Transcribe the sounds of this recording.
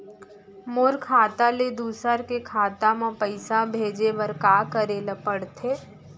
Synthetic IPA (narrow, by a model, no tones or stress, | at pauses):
moːɾkʰaːt̪aled̪uːsəɾkekʰaːt̪amãpəɪsabʱeːd͡ʒeʋəɾkaːkəɾelɐpəɽt̪ʰeː